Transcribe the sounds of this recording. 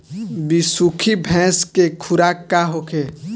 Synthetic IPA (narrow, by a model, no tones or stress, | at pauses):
bisukʰibʱɛ̃ːskekʰʊɾaːkaɦokʰe